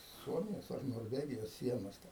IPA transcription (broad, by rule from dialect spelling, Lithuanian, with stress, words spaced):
ˈsuɔmʲɪjoːs ɐr noːrʲˈʋʲæːɡʲɪjoːs ˈsʲiɛnoːs tʲɛn